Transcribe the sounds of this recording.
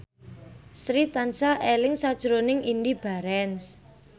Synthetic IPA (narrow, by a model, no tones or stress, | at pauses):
sɾit̪ansaʔelɪŋsad̥ʒ̥ɾonɪŋʔindib̥a̤ɾɛns